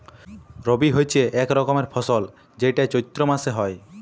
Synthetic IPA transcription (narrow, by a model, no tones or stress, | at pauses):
ɾobiɦojt͡ʃʰeʔɛkɾɔkɔmeɾpʰɔsɔl | d͡ʒejʈaet͡ʃojt̪ɾomaseɦɔe